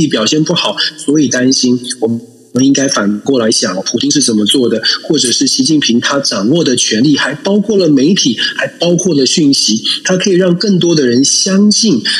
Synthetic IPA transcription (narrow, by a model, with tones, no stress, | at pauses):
i˥˩pjɑ˨˩ʊɕjɛ˥˧npu˥˩xɑ˨˩˦ʊswɔ˧˥i˨˩t̪a˥nɕi˥nwɔ˨˩ | ə˦ni˥ŋka˥ɪfa˨˩nkwɔ˥˩la˧˥ɪɕjɑ˨˩ŋ˩pʰu˨˩t̪ʰi˥ŋʂ̬ɻ̩˥˩t͡sə˨˩nmə˦t͡swɔ˥˩d̪ə˩xwɔ˥˩ʈ͡ʂɤ˨˩ʂɻ̩˥˩ɕi˧˥t͡ɕi˥˩npʰi˧˥ŋt̪ʰa˥ʈ͡ʂɑ˨˩ŋwɔ˥˩d̪ə˩t͡ɕʰɥɛ˧˥nli˥˩xa˧˥ɪpɑ˥ʊkʰwɔ˥˩lə˩me˧˥ɪt̪ʰi˨˩˦xa˧˥ɪpɑ˥ʊkʰwɔ˥˩lə˩ɕy˥˩nɕi˧˥t̪ʰa˥kʰɤ˧˥i˨˩ɻɑ˥˧ŋkə˥˩ŋt̪̬wɔ˥d̪ə˨ɻə˧˥nɕjɑ˥ŋɕi˥˩n